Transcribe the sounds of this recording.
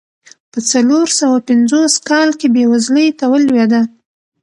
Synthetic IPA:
pət͡saloɾsawapɪnd͡zoskɑlkebewazləjt̪awəlwed̪a

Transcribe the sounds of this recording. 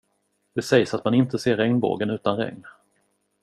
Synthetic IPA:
d̪̥ɛsɛjsat̪manɪnt̪əseːɾːɛŋnbo̰ːɡənʉ̟ːt̪anɾɛ̰ŋn

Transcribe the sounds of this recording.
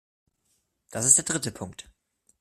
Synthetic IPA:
d̥asɪstd̥eːɐdʁɪtəpʰʊŋkt

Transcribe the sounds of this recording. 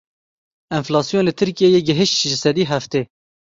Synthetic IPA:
ɪnflɑːsjoːnlɨt̪ʰɨɾkijejeːɡɪɦɪʃt̪ʒɪsɛd̪iːɦæft̪eː

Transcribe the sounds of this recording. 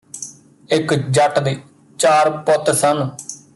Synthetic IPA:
ɪkd͡ʒəʈd̪eː | t͡ʃaːɾpɔt̪sən

